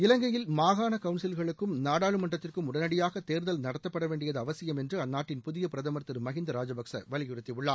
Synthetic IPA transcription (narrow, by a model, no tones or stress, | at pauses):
ɪlɐŋɡɐjɪlmaːɣaːnɐkɐʋʊnsɪlɣɐɭɯkːɯmnaːɽaːɻɯmɐɳɖrɐt̪ːɪrkɯmʊɽɐnɐɽɪjaːɣɐt̪eːɾðɐlnɐɽɐt̪ːɐpːɐɽɐʋeːɳɖɪjɐðɯɐʋɐsɪjɐmɛndrɯɐnːaːʈːɪnpʊðɪjɐpɪɾɐðɐmɐɾt̪ːɯɾmɐɣɪnd̪ɐɾaːd͡ʒɐbɐksɐ̰ʋɐlɪjɪɾɯt̪ːiʋʊɭːaː